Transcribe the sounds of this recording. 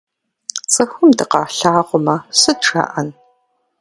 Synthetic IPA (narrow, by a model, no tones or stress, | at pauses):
t͡sʼɐxʷʊmdɨqɑːɬaːʁʷʊmɐsɨʈ͡ʂʰʼa̰ːʔɐn